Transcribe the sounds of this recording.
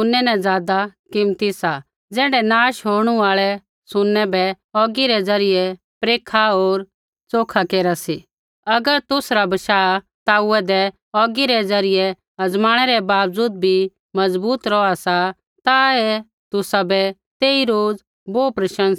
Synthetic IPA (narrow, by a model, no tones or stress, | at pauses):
ʊnːɛnɛ̃d͡zaːd̪akɪmt̪isa | d͡zɛːɽɖɛnaːʃɦoːɾɽ̃uaːɭɛ | sʊnːɛbɛ | ɔːɡiɾɛd͡zɐɾɪjɛ | pɾeːkʰaoːɾ | t͡soːkʰakeːɾasi | ɐɡəɾt̪ʊsɾabɐʃaːt̪aːuɛd̪ɛ | ɔːɡiɾɛd͡zɐɾɪjɛ | ɐd͡zmaːɽ̃ɛɾɛbaːpd͡zuːd̪̚bʱi | mɐzbuːt̪ɾɔasa | t̪aɛ | t̪ʊsabɛ | t̪eːiɾoːd͡z | boːpɾɐʃə̃ns